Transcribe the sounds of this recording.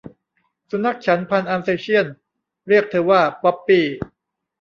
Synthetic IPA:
su˨˧˦mna˧˦˥k̚t͡ɕʰa˦˥npʰa˧nʔaː˧mseː˧t͡ɕʰi˥˩ən | ɾi˥˩ək̚t̪ʰɤː˧waː˥˩pɔ˦˥pːiː˧˩

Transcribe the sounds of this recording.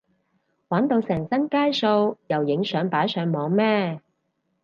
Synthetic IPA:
waː˨˥nt̪o˧wsɛː˨˩ŋsɐ˥nkaː˥jso˧wjɐ˨˩wjɪ˨˥ŋsœː˨˧ŋpaː˨˥jsœː˨˧ŋmɔː˨˧ŋmɛː˥

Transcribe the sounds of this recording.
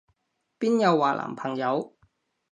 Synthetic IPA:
piː˥njɐ˨˧wːaː˨lʔa̰ː˨˩mpʰɐ˨˩ŋjɐ˨˧w

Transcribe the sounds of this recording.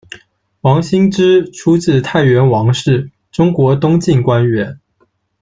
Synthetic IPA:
wɑ˧˥ŋɕi˥ŋʈ͡ʂɻ̩˥ʈ͡ʂʰu˥t͡sɹ̩˥˧t̪ʰa˥˩ɪɥɛ˧˥nwɑ˧˥ŋʂɻ̩˥˩ | ʈ͡ʂʊ˥ŋkwɔ˧˥t̪ʊ˥ŋt͡ɕi˥˩nkwa˥nɥɛ˧˥n

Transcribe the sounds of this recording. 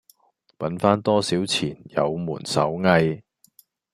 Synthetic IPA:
pɐ˨˥nfaː˥nt̪ɔː˥siː˨˥wt͡sʰiː˨˩njɐ̰˨˧wmuː˨˩nsɐ̰˨˥wŋɐ˧j

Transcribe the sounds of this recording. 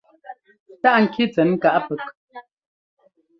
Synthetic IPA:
ta˦ʔŋ̩˨kʰi˦t͡sɛ˨˦nŋ̩˦ka˨ʔpə˨˦k̚

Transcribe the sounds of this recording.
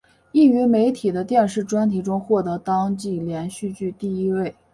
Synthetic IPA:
i˥˩y˧˥me˧˥ɪt̪ʰi˨˩d̪ə˦t̪jɛ˥˧nʂɻ̩˥˩ʈ͡ʂwa˥nt̪ʰi˧˥ʈ͡ʂʊ˥ŋxwɔ˥˩t̪ɤ˧˥t̪ɑ˥ŋt͡ɕi˥˩ljɛ˧˥nɕy˥˧t͡ɕy˥˧t̪i˥˩i˥we˥˩ɪ

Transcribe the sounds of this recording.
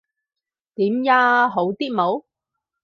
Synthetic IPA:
t̪iː˨˥mjaː˧ɦo˨˥wt̪iː˥t̚mo˨˧˥w

